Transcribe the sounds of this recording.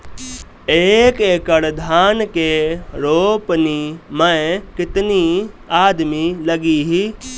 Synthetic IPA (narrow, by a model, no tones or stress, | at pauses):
eːkeːkəɽd̪ʱaːnkeɾoːpnimɐ̃kɪt̪niaːd̪milɐɡiɦiː